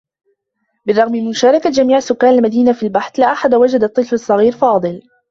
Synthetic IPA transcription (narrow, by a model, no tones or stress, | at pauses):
bɪrˤːɑɣmɪmɪnʃaːɾˤɑkad͡ʒamiːʕasʊkːaːnalmad̪iːnafilbaħθlaːʔaħad̪awad͡ʒad̪ɑt̪ˤːɨlfɑsˤːɑɣiːɾfɑːd̪ˤɨl